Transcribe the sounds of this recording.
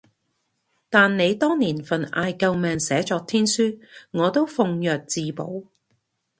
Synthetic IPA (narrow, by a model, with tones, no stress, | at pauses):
t̪aː˨nːe˨˧jt̪ɔː˥ŋniː˨˩nfɐ˨na̰ː˨˧jkɐ˧wmɛː˨˧ŋsɛː˨˥t͡ʃɔː˧k̚t̪ʰiː˥nsyː˥ŋɔː˨˧t̪o˥wfʊ˨˧ŋjœː˨˩k̚t͡siː˧po̰˨˥w